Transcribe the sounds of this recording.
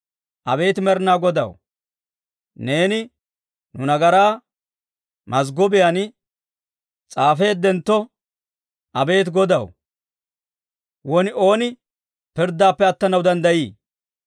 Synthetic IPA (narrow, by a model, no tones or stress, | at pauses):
ʔɐbe̞ːt̪ɪmɛɾnaːɡɔd̪ɐ̰w | ne̞ːnɪ | nʊnɐɡɐɾaː | mɐs̬ɡɔbɪjan | t͡sʼaːfe̞ːd̪ːɛnt̪ːɔ | ʔɐbe̞ːt̪ɡɔd̪ɐw | wɔnɪo̞ːnɪ | pɪɾd̪ːaːpːɛɐt̪ːɐnɐwd̪ɐnd̪ɐjiː